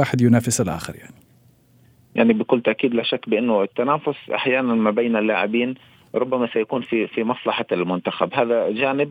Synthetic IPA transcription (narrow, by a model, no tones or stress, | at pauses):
aːħɪd̪jʊnaːfɪsɪlʔa̰ːxɪ̰ɾjaʕni | jaʕnibɪkʊlːt̪aʔkiːd̪laʃakːbɪʔɪnːʊɪt̪ːanaːfʊsʔa̰ħjaːnanmabejːnɪlːaːʕɪbiːn | ɾˤʊbːamasajakuːnfifimɑsˤlɑħalmʊnt̪axabɦaːðad͡ʒaːnɪb̚